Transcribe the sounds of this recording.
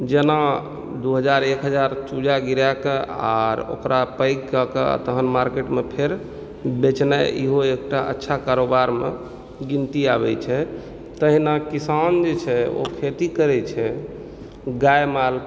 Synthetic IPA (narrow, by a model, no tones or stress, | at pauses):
d͡ʒena | d̪uɦəd͡ʒaɾekɦəd͡ʒaɾt͡ʃud͡ʒaɡiɾjakea̰ɾo̰kɾapəjɡkəkea̰t̪əɦənmaɾkeʈmepʰeɾ | bet͡ʃnaḭɦoek̚ʈaʔə̰tːʃʰakaɾobaɾmḛ | ɡint̪iabɛt͡ʃʰɛ | t̪əɦinakisand͡ʒet͡ʃʰɛo̰kʰet̪ikəɾɛt͡ʃʰɛ | ɡajmal